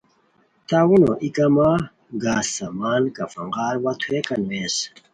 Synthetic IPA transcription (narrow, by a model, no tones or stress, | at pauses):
t̪awunoʔikɐma | ɡaːsːɐmaːnkɐfɐŋɡaːɾwɐt̪ʰuekɐnwes